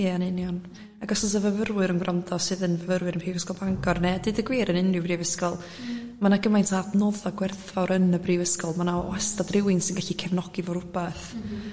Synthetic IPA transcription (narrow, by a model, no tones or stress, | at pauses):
jɛanɪnjɔn | aɡɔsɔs̬əvəvərwɨɾənɡrandɔsɨðənvəvəɾwɨɾənpʰiːvəskɔlˠbaŋɡɔrnɛdɨdəɡwiːɾənɪnɪbriːvəskɔlˠ | manaɡəmajntʰadnɔːðɔɡwɛrθɔɾənəbriːvəskɔlˠmanaɔ̰ɛstadrɪwɪnsɪnɡaɬikʰɛvnɔɡ̥ivɔɾʊb̥ɛθ